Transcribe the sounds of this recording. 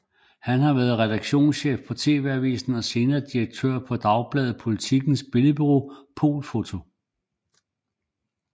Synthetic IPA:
hænɦɑ̈ʋæɐð̞̩ˠʁɛd̥ɑ̈ɡ̥ɕo̝̰ːnsɕḛːfpʰɒ̽t͡sʰe̝̰ːʋe̝æʋḭːsn̩ɒ̽se̝ːnɐd̥iɐɡ̥̚t͡sʰø̰ɐ̰pʰɒ̽d̥ɑ̈ʊb̥lɛːð̞̩ˠpʰo̝lit͡sʰiɡ̥n̩sb̥e̝ləb̥yʁo̝̰ːpʰo̝̰ːlfo̝t͡sʰo̝

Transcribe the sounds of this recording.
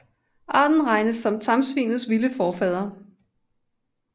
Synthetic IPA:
ʔɑ̈ːd̥n̩ʁɑ̈ɪnəsːɒ̽mt͡sʰɑ̈msʋḭːnð̩ˠsʋiləfɒːfɛð̞̰ˠɐ

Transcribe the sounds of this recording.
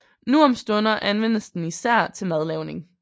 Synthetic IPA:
nuɒmsd̥ɔ̽nɐʔænʋen̰əsd̥n̩isæɐ̰t͡sʰe̝lmæð̞ˠleʊne̝ŋ

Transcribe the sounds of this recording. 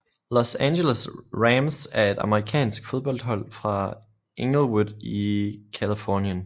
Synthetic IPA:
lɔsænɕeləsʁæmsæɐe̝d̥ɑ̈məʁikʰɛ̰ːnsɡ̥fo̝ð̞ˠb̥ɒ̽l̰d̥hɒ̽l̰fʁɑ̈ | ʔeŋ̥l̩ˠwudˠikʰælifɒːnjən

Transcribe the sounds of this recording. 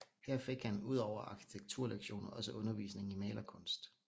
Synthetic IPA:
hæɐ̰fe̝ɡ̥hænuð̞̰ˠɒʊɐʔɑ̈kʰi̥t͡sʰeɡ̥̚t͡sʰuɐ̰leɡ̥ɕo̝̰ːnɐɒ̽səʔɔ̽nɐʋḭːsne̝ŋ̩imɛːlɐkʰɔ̽nsd̥

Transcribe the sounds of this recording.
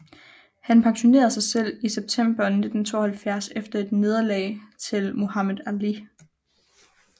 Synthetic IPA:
hænpʰɑ̈ŋɕo̝ne̝̰ːɐð̩ˠsɑ̈ɪsel̰iseb̥̚t͡sʰem̰b̥ɐne̝d̥n̩t͡sʰo̝̰ːhælfjæɐsefd̥ɐe̝d̥ne̝ð̞ˠɐlɛ̰ɪt͡sʰe̝lmo̝hɑmeðˠæli

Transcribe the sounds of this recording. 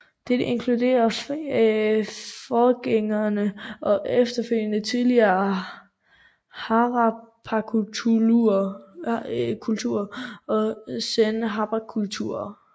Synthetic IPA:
d̥e̝d̥eʔe̝nkʰlude̝̰ːɐ | fɒːɡ̥eŋɐnəʔɒ̽ʔefd̥ɐføl̰jənət͡sʰiðˠliɐː | hɑʁɑpʰɑkʰuu | kʰult͡sʰuɐ̰ɒ̽senɦɑ̈b̥ɑkʰult͡sʰuɐ

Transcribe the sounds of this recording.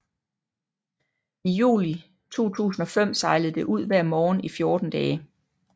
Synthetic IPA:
ijṵːli | t͡sʰo̝̰ːt͡sʰṵːsn̩ɒ̽fem̰sɑ̈ɪləð̩ˠd̥e̝ʔuð̞̰ˠʋæɐ̰mɒːnifjo̝ɐd̥n̩d̥ɛː

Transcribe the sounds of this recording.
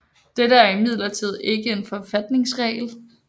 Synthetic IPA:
d̥eɾəæɐimið̞̰ˠlɐt͡sʰið̞̰ˠe̝ɡ̥əe̝nfɒ̽fæd̥ne̝ŋsʁɛ̰ːl

